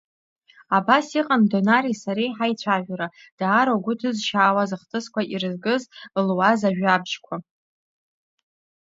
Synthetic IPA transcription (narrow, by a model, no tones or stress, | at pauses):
abasiqʼandonaɾisaɾejħajt͡ɕʷʰaʒᶣʷɾa | d̥aːɾoɡʷʊtʰɨzʃaːwazɨχtʰʼɨskʷaʔirɨzɡɨzlwazaʒᶣabʒkʷʰa